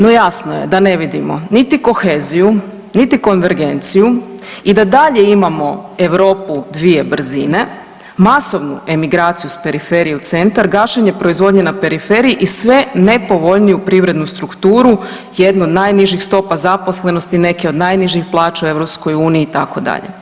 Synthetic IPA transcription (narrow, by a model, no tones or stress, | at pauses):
no̞jasnoje̞̰d̪ane̞ʋid̪imo̞̰nit̪iko̞xe̞ːziju | nit̪iko̞nʋeɾɡe̞nt̪sijuid̪ad̪aʎe̞imamo̞e̞ʋɾo̞ːpud̪ʋie̞br̩zḭne̞ | maso̞ʋnue̞miɡɾaːt̪sijuspe̞ɾife̞ɾijeut̪se̞nt̪aɾɡaːʃeɲe̞pɾo̞izʋo̞d̪ɲenape̞ɾife̞ɾijiʔisʋe̞ne̞po̞ʋo̞ʎnijupɾiʋɾe̞d̪nust̪ɾukt̪uːɾu | jed̪nuo̞d̪najniʒixst̪o̞pazapo̞slˠe̞nost̪ine̞keo̞d̪najniʒixplˠaːt͡ʃaue̞ʋɾo̞psko̞juːniːt̪ako̞d̪a̰ʎḛ